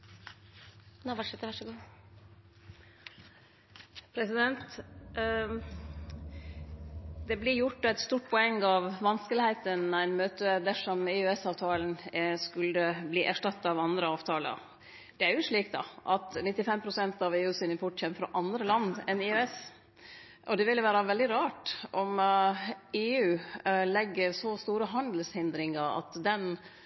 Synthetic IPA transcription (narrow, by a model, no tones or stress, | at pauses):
nʋɑʂɛt̪ːʋɑʂɡuː | pʰɾɛsɪd̪ɛnt̪ | d̪ɛblɪɾjʊʈːæɪt̪st̪uːʈ̚pʰɔɛŋːɑʋʋɑnskəlɪhæɪt̪ənæɪnmøːt̪əd̪æʂɔmɪœɛsɑːʋt̪ʰɑːln̩skʉləbliːʔæʂʈɑt̪ːɑɑʋɑnd̪ɾəɑːʋt̪ʰɑːlə̰ɾ | d̪̥ɛæɾjʊʂɭiːk̚t̪ɑ̰ʔɑt̪nɪt̪ːɪfɛmpʰɾʊsɛnt̪ɑʋeːʉːsiːnəpʰʊʈçɛmːəfɾɑ̰ʔɑnd̪ɾəlɑnd̪ɛnɪʉɛs | ʔɔd̪ɛʋɪlʋæːɾɑʋɛld̪ɪɾɑːʈʔɔm | eːʉːlɛɡːəɾsɔst̪uːɾəɦɑnd̪əl̩shɪnd̪ɾɪŋɑɾɑ̰t̪d̪ɛn